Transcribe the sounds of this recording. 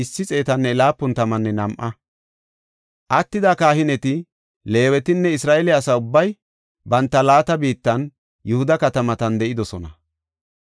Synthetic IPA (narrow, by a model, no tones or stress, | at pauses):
ɪsːɪt͡sʼe̞ːt̪ɐnːɛlaːpːʊnt̪ɐmɐnːɛnɐmʔɐ | ʔɐt̪ːɪd̪akaːhɪnɛt̪ɪ | le̞ːwɛt̪ɪnːɛɪsɾaːʔɛlɪɐsɐʊbːɐj | bɐnt̪ːɐlaːt̪ɐbiːt̪ːɐn | jʊhʊd̪ɐkɐt̪ɐmɐt̪ɐnd̪ɛʔɪd̪ɔsɔnɐ